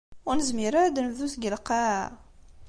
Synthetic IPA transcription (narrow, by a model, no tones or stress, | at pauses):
ʊɾnəzmiɾad̪nəvðusɡəlqa